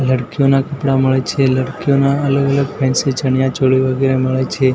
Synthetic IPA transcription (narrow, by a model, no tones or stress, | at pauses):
ləɽkijonakəpɽaməɭet͡ʃʰeləɽkijonaələɡələɡpʰɛ̃nset͡ʃəɳjat͡ʃoɭiʋəɡeɾeməɭet͡ʃʰe